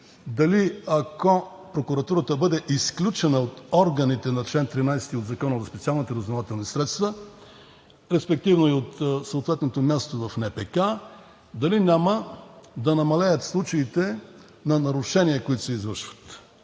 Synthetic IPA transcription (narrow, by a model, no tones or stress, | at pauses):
d̪ɐliɐko | pɾokuɾɐt̪uɾət̪əbɤd̪ɛʔisklʲut͡ʃɛnəot̪ɔɾɡɐnit̪ɛnɐɾt͡ʃlɛnt̪ɾinajsɛ̥t̪iod̪zɐkɔnəzɐspɛt̪sialˠnit̪əɾɐznovat̪ɛlˠnisɾɛt̪st̪və | ɾɛspɛk̚t̪ivnoiot̪soot̪vɛt̪not̪omʲjast̪ovɐfnɛpɛka | d̪ɐlinʲaməd̪ɐnɐmɐlɛjət̪slˠut͡ʃɐit̪ɛ | nɐnɐɾʊʃɛniəkʊit̪ʊ̥sɛizvəɾʃvə̥t̪